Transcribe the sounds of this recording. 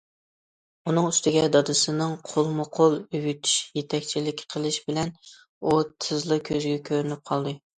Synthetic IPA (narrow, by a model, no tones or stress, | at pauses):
unɨŋyst̪ʰɪɡʲɛd̪ɑd̪ɨsɨnɨŋqʰolˠmʊqʰolˠywyt̪ʰy̥ʃjet̪ʰɛkʲt͡ʃʰilɪkʲqʰəlˠɨʃbɪlɛn | ut̪ʰɨzlˠɨkʲʰøzɡʲɛkʲʰøɾynyp̚qʰɑlˠd̪ɨ